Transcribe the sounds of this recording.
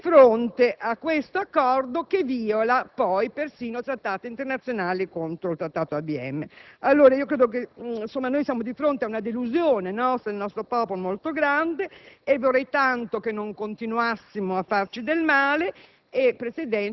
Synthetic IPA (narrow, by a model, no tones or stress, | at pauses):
fɾont̪eʔakːwest̪oakːɔrd̪okeviːolapɔjpersiːnot̪ɾat̪ːaːt̪eint̪ernat̪sjonaːlikont̪ɾoilt̪ɾat̪ːaːt̪oabiɛ̰mːealːoːɾaiokɾeːd̪ok̬ensomːanojsjaːmod̪ifɾont̪eaunad̪eluzjoːnenɔst̪elnɔst̪ɾopɔːpolomolt̪oɡɾand̪eːvorːɛjt̪ant̪okenːoŋkont̪inuasːimoafːart͡ʃid̪elmaːleː | pːɾesed̪ɛ